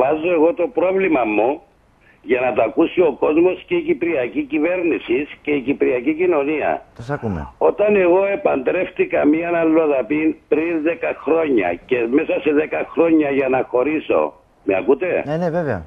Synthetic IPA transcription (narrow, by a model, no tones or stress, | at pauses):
ɐzoeɣo̞t̪o̞pɾo̞vlimɐmːu | ʝɐnɐt̪oɐkusio̞ko̞zmo̞sceicipɾiɐcicive̞ɾnisisce̞icipɾiɐcicino̞niɐ̰osɐumḛot̪ɐne̞ɣo̞e̞pɐnd̪ɾe̞ft̪ikɐmiɐnɐlːo̞ðɐpinpɾinðekɐxɾo̞ɲːɐ̰ce̞me̞sɐse̞ðekɐxɾo̞ɲːɐʝɐnɐxo̞ɾiso̞̰ | meɐ̰kut̪e̞neneveveɐ̰